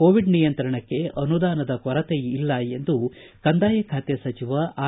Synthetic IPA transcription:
oːʋiɖnijɐnt̪ɾɐɳɐkːe̞ɐnud̪aːnɐd̪ɐkɔɾɐt̪ejilːɐe̞nd̪u | kɐnd̪aːjɐkʰaːt̪jesɐt͡ʃiʋɐaː

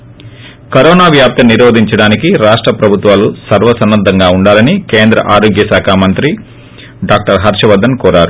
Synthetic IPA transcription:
kɐɾɔːnaːʋjaːp̚t̪ɐniɾoːd̪ʱiɲt͡ʃɐɽaːnikiɾaːʂʈɾɐpɾɐbʱut̪ʋaːlusɐɾʋɐsɐnːɐd̪ʱːɐŋɡaːuɳɖaːlɐnikeːnd̪ɾɐ̰ʔaːɾoːɡjɐsaːkʰaːmɐnt̪ɾi | ɖaːk̚ʈɐɾɦɐɾʃɐʋɐd̪ɐnkɔːɾaːɾu

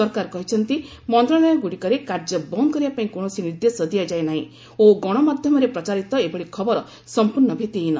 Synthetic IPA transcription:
ɔɾkaɾkɔɦit͡ʃʰɔnt̪i | mɔnt̪ɾɔlɔjɔɡuɽikɔɾekaɾd͡ʒɔbɔŋkɔɾibapaĩkoɽ̃ɔsiniɾd̪esɔd̪ijad͡ʒaenaɦḭ̃ | oɡɔɽ̃ɔmad̪ʱjɔmɔɾepɾɔt͡ʃaɾit̪ɔebɔɽikʰɔbɔɾɔ | sɔmpuɾɳɔbʱet̪iina

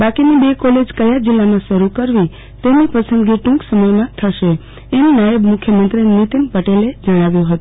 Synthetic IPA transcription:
bakinibekɔled͡ʒkəjad͡ʒilːamãʃəɾukəɾʋi | t̪enipəsənɡiʈũŋksəməjmãt̪ʰəʃe | ennajəbmʊkʰjəmənt̪ɾinit̪inpəʈeled͡ʒəɽ̃aʋjõɦət̪o

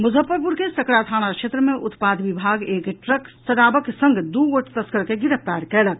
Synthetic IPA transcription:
mud͡ʒʱəpːəɾpuɾkesəkɽat̪ʰaːnakʃʰet̪ɾəmeʔut̪pad̪ʋibʱaɡeːkʈɾəksəɾabəksə̃ŋɡd̪uəʈt̪əskəɾkeɡiɾəpp̚t̪aɾkɛlək

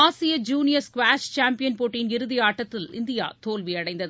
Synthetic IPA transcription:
aːsɪjɐd͡ʒuːnɪjɐɾskʋaːʃt͡ʃaːmpɪjɐnpoːʈːɪjnɪɾɯðɪaːʈːɐt̪ːɪlɪ̰nd̪ɪja̰ːt̪oːlʋiɐɽɐɪnd̪ɐð

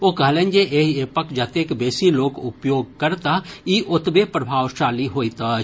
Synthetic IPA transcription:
oːkɐɦlẽːnd͡ʒeʔeːɦeːpəkd͡ʒɐt̪eːkbeːsiloːɡʊpjoːɡ̚kɐɾt̪aiːʔʊt̪bepɾɐbʱaːʋʃaːliɦoːit̪a

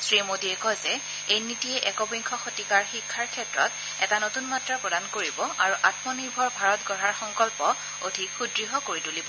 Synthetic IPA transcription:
sɹimodiɛkɔjzɛ | ejnitijɛʔɛkɔbiŋkʰɔxotikaɹxikʰːaɹkʰɛtɹɔt | ɛtanotunmatɹapɹɔdankoɹibɔʔaɹuʔatmɔniɹbʱɔɹbʱaɹɔtɡɔɹaɹxɔŋkɔlpɔ | odʱixudɹiɦɔkoɹitulibɔ

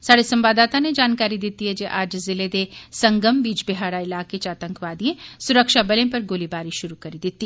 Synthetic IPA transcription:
saːɽesɐ̃mbaːd̪aːt̪aned͡ʒaːnkaːɾid̪ɪt̪iɦɛd͡ʒeʔaːd͡ʒzɪled̪esɐ̃ŋɡəmbiːd͡ʒbɪɦaːɽaɪlaːket͡ʃaːt̪ə̃ŋkʋaːd̪iẽsʊɾəkʃabɐlẽpɐɾɡoːlibaːɾiʃʊɾukɐɾid̪ɪt̪ːi

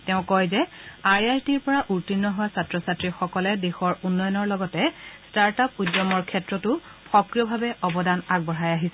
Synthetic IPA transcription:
teʊ̃kɔjzɛajajtiɹpɔɹaʔuɹtinːɔɦowasatɹɔsatɹixɔkɔlɛdexɔɹunːɔjɔnɔɹlɔɡɔtɛstaɹtap̚udjɔmɔɹkʰɛtɹɔtʊ | xɔkɹijɔbʱabɛʔɔbɔdanaɡ̚bɔɹajaɦisɛ

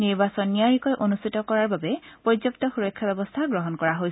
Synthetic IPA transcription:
niɹbasɔnːijaɹikɔjʔonust̪ʰitɔkɔɹaɹbabɛpɔɹizɔp̚tɔxuɹɔkʰːjabɛbɔst̪ʰaɡɹɔɦɔnkɔɹaɦoj

